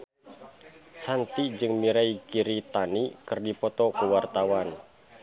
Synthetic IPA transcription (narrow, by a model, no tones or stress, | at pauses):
sant̪id͡ʒɨŋmiɾaikiɾit̪anikɨrdipɔt̪ɔkuwart̪awan